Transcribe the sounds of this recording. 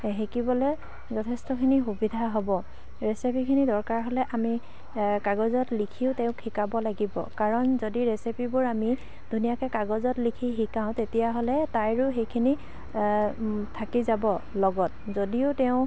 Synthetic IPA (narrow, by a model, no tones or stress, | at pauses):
ɦekibɔlɛ | zɔtʰestɔkʰinixubidʱaɦobɔ | ɹesipʰikʰinidɔɹkaɹɦɔlɛʔami | kaɡɔzɔtlikʰiʊtɛʊ̃kʰikabɔlaɡibɔ̰kaɹɔnzodiɹesipʰibʊɹami | d̥ʱunijakɛkaɡɔzɔtlikʰiɦikãʊ̃tetijaɦɔlɛtajɹʊxejkʰini | tʰakizabɔlɔɡɔt̚zodiʊtɛʊ̃